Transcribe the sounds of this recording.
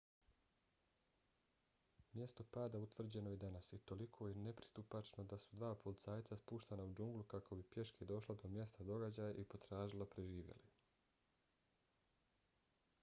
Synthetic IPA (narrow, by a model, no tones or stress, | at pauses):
mje̞st̪o̞paːd̪aut̪ʋr̩d͡ʑe̞no̞jed̪anasjet̪o̞likʰo̞jene̞pɾi̥st̪upat͡ʃno̞d̪asud̪ʋaːpolit̪saːjt̪saspuːʃt̪anaud͡ʒuŋɡlˠukakʰo̞bipje̞ʃked̪o̞ʃlod̪o̞mje̞st̪ad̪o̞ɡad͡ʑaːjaʔipo̞t̪ɾaːʒilˠo̞pɾe̞ʒiːʋjḛli